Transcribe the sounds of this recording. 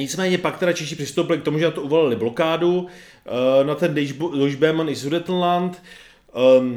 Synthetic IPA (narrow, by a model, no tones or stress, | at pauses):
ɲɪt͡smɛːɲɛpak̚t̪ɛɾat͡ʃɛʃɪpr̥ɪst̪owpɪlɪkt̪o̞muʒɛnat̪ouvolɪlɪblo̞kaːdu | nat̪ɛnddoʒbɛmanɪsudɛt̪n̩lant̪